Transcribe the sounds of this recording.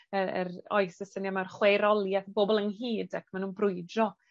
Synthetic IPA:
əə̰rɔjsəsənjamarχwejɾɔlˠjaθboːbɔlˠənɦiːdakʰmanuːnbrʊɨdɔ

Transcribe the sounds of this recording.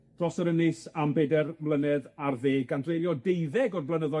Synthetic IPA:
d̥rɔsəɾənɪsambedɛrvlˠənɛðarðeːɡandrejljɔdejðɛɡɔrvlənəðɔ

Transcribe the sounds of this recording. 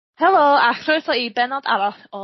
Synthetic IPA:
hɛlˠoːakʰrowsɔibɛnɔda̰ɾɔθɔ

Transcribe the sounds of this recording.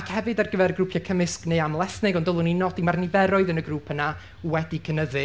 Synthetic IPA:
akʰhɛvɨdarɡəvɛɾɡrupʰjakʰəmɪskneɨamlˠɛθnɪɡɔndɔlˠʊninɔdimarnɪvɛɾɔɨðənəɡruːpʰəna | wɛdikʰənəðɨ

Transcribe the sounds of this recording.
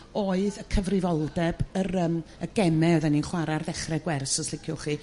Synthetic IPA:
oːɨðəkʰəvrɪvɔlˠdɛbəɾəːməɡɛmɛðəninχwaɾarðɛχrɛɡwɛrsɔslˠɪkʰjʊχiː

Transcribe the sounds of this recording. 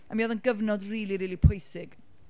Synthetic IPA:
amiːɔðənɡəvnɔdriːlˠiɾiːlipʰʊjsɪɡ̥

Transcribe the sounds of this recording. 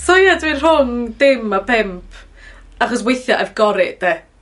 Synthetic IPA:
sɔjadwir̥rʊŋdɪmapʰɛmpʰ | aχɔs̬wejθjaʔɛvɡɔɾɪʔd̥e

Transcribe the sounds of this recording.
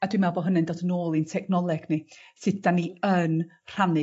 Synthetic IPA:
ad̥wimɛlˠbɔɦənɛndoːdənoːlˠintʰɛɡnɔlˠɛɡ̥nisɨd̚daniən | r̥anɨ

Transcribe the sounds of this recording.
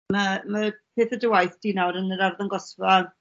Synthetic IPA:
məmapʰeːθədəwajθd̥iːnawɾənəɾarðɔnɡɔsval

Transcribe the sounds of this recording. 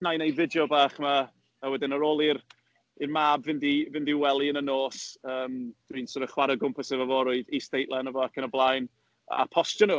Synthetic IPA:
najnejvɪdjɔbaːχma | mawɛdɪnəɾoːlˠir | irmabvɪndivɪndiwɛlˠiənənoːsəːmd̥wiːnsɔɾəχwaɾəɡʊmpʰəsɛvəvɔɾʊɨðistejʔlˠɛnəvɔakʰənəblˠajn | a̰pʰɔstjɔnu

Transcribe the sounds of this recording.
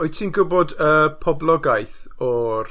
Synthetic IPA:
ojtʰiːnɡʊbɔdəpʰɔblˠɔɡajθ | ɔr

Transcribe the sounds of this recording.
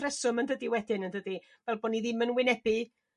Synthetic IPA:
rɛsʊməndədiwɛdɪnəndədi | vɛlˠboːniðɪmənwɪnɛbɨ

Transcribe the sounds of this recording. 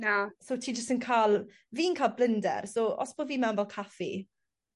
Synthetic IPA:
nasotʰiːd͡ʒəstənkʰalˠ | viːnkʰaːlˠblɪndɛ̰rsoʔɔ̰sb̥odviːmɛwənbɛlˠkʰafḭ

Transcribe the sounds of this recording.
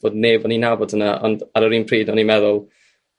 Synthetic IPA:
b̥oːdneːbɔninabɔd̥ʰənaʔɔ̰ndaɾɔɾiːnpʰriːdnɔnimɛðʊlˠ

